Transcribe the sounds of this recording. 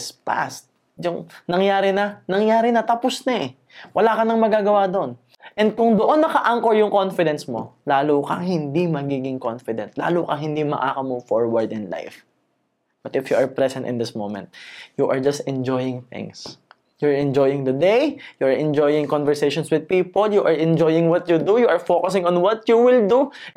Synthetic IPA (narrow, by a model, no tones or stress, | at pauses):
spa̰st̪̚ | jʊŋnɐŋjaːɾɪnɐnɐŋjaːɾɪnɐt̪ɐposnɐɛ | wʔɐlaːkɐnɐŋmɐɡaːɡɐwad̪oʔon | ʔɛ̃nd̪̚kʊŋd̪oʔo̞nːɐkɐʔaŋkoɹjʊŋko̞nfɪd̪ɛnsmo̞laːlokɐŋhɪnd̪imɐɡiːɡɪŋkonfɪd̪ɛ̰nt̪la̰ːlukɐɦɪnd̪imɐ̰ʔa̰ːkɐmuvfoɹwɐɹd̪ɪ̃nla̰jf | bɐt̪ɪfjuʔɐɹpɹɛsɛ̃nt̪ɪ̰nd̪ɪsmowmɛ̰̃nt̪̚juʔɐɹd͡ʒɐst̪ɛ̃nd͡ʒɔjɪ̃ŋθɪ̰̃ŋs | jʊaɹɛ̃nd͡ʒojɪ̃ŋd̪ɐd̪ejjuʔaɹʔɛ̃nd͡ʒojɪ̃ŋkɔnvɛɹsejʃɔ̃nswɪd̪̚piːpoljuʔaɹʔɛnd͡ʒojɪŋwɐt̪jud̪ujuʔɐɹfokʊsɪ̃ŋɔ̃nwɔt̪̚juwɪld̪u